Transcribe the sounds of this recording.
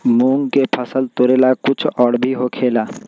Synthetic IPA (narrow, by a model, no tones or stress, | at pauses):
muŋkepʰəsəlt̪oɾelakut͡ʃʰɔɽbʱiɦokʰela